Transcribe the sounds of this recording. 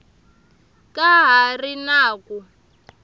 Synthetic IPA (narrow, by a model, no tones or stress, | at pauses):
kʼaɦarinaːku